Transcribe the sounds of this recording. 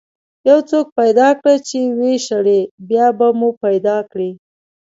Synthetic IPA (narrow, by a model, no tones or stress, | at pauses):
jawt͡sok̚pajd̪ɑkɽat͡ʃeweʃaɽebjɑbamupajd̪ɑkɽi